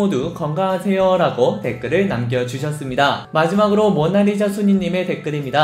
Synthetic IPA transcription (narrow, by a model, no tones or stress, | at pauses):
odukʌŋɡasʰe̞jʌɾaɡote̞k͈ɯɾɯɭnamɡjʌd͡ʑuɕʰʌs͈ɯmɲidamad͡ʑimaɡɯɾomwʌnaɾid͡ʑasʰuɲiɲːime̞te̞k͈ɯɾimɲida